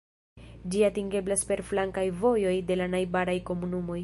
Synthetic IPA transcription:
d͡ʒiatiŋɡe̞blaspe̞ɾflaŋkajvo̞jo̞jde̞lanajbaɾajko̞munumo̞j

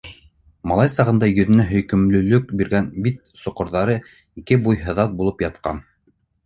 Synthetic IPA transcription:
mɑlˠɑjsɑʁɤ̆nd̪ɑjɵ̆ðɘ̆næɦɵ̆jkɵ̆mlɵ̆lɵk̚biɾɡænbit̪̚sŏqŏɾðɑɾɤ | ikɘbujɦɤ̆ðɑt̪̚bulˠɤpjɑt̪̚qɑ̰n

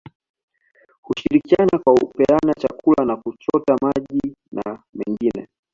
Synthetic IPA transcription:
huʃiɾikianakwaupɛanat͡ʃakʰulanakut͡ʃɔtamaʄinamɛŋɡinɛ̰

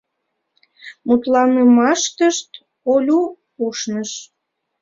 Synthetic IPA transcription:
mut̪lɑmemɑʃt̪əʃt̪ | olʲu | uʃnəʃ

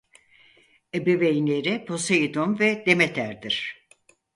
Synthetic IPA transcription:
ebevejnlʲeɾɪpʰo̞seid̪omvɛd̪emet̪ʰæɾd̪iɾ̥

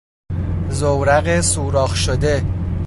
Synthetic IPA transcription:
zowɾæɣesuːɾɒːχʃod̪e

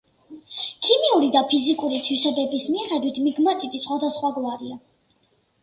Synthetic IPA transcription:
kʰimiuɾid̪apʰizikʼuɾit̪ʰwisɛbɛbismiχɛd̪wit̪ʰmiɡmat̪ʰit̪ʰisχwad̪asχwaɡlˠaɾia

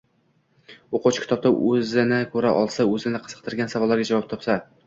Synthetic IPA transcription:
oqʰot͡ʃkʲʰɪ̥t̪ɒb̚t̪aʔɵzɪnɪkʰɵɾaʔɒlˠsaɵzɪnɪqʰɨz̥ɨ̥q̚t̪ʰɪɾɡʲansavɒlːaɾɡʲad͡ʒavɒp̚t̪ʰɒpsa

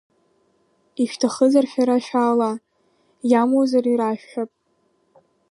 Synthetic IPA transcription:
iʃtʰaχəzarʃᶣaɾaʃᶣaːla | jamozariɾaʃᶣːapʼ

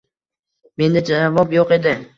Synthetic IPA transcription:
me̞nd̪ad͡ʒavɒpjoqe̞d̪ɪ

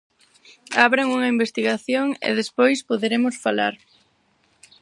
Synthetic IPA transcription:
aβɾaŋuŋɐimbest̪iɣaθjoŋḛðespojspoðeɾemʊsfala̰ɾ

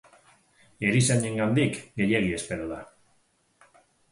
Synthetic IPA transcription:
eɾiseɲeŋɡand̪ikɡeʎjeɣiespeɾoða

